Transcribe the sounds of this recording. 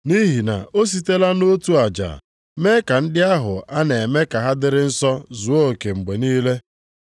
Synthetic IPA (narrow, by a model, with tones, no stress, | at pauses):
ni˦ɦi˨na̰˨o˦s̬i˦te˦la˦no˦tu˦a˨d͡ʒa̰˨ | me˦ka˨n̩˦dɪ˦a˦ɦʊ˨a˦ne˨me˦ka˨ɦa˦dɪ˦ɾɪ˦n̩˦sɔ˦zu˨o˦˨ke˨ŋ͡m̩˨ɡ͡be˨niː˦le˦